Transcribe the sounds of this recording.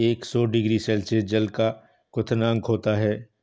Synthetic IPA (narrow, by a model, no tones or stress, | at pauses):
eːksɔːɖɪɡɾisɛːlsed͡ʒɐlka | kʊt̪ʰnãːŋɡɦoːt̪aɦɛː